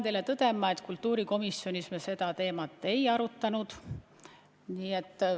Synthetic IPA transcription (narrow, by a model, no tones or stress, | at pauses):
nt̪e̞jle̞t̪ɤd̪̥e̞mːɑe̞t̪kult̪ːˑuːɾiko̞misjo̞nismese̞d̪̥ɑt̪e̞ːmɑt̪ːˑe̞jɑɾut̪ːɑnud̪̥ | niːe̞t̪ˑː